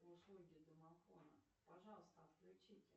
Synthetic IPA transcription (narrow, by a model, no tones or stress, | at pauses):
ʊslˠuɡʲɪd̪əmɐfonə̰ | pɐʐɑlˠəst̪əɐt̪klʲʉt͡ɕitʲɪ